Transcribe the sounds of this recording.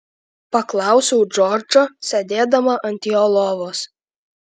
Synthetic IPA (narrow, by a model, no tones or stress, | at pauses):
pɐklˠɑˑʊsʲoʊd͡ʒɔːɾd͡ʒoːsʲɛd̪ʲeːd̪ɐmɐʔɐnʲt̪ʲɪolˠɔːʋoːs